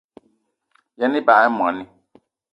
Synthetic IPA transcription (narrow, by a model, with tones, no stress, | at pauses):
jɛ˨nɪ̃˦ba˨˦ɛ˦mũ˨ã˨nɪ̃˦